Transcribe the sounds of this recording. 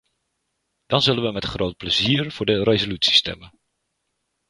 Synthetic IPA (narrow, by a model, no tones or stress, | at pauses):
d̥ɑnzɵlənʋəmɛtχrowt̚pləziːərv̥ʊːɹdərezolytsi̥stɛ̰mən